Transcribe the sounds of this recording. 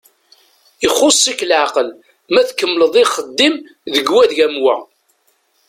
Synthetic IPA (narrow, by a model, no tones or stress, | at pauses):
əχːosˤːikːlʕaqəl | mæθkːəmːləðˤiχəd̪ːim | ðəɡwæðʝæmwæ̰